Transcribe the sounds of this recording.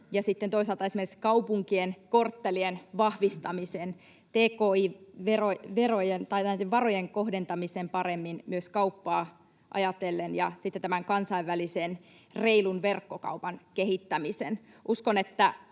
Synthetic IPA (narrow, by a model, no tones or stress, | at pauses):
jɑsit̪ːent̪oisɑlt̪ɑesimerkskɑupuŋkienkort̪ːelienʋɑhʋist̪ɑmisen | t̪eːkoːiʋeroʋerojent̪ɑit̪ːeʋɑrojeŋkohdent̪ɑmisempɑɾemːinmyøskɑupːɑː | ʔɑ̰jɑt̪elːenjɑ̰sit̪ːet̪æmæŋkɑnsɑiʋːælisen | reilunʋerkːokɑ̰upɑnkeɦit̪ːæmisenʔuskonet̪ːæ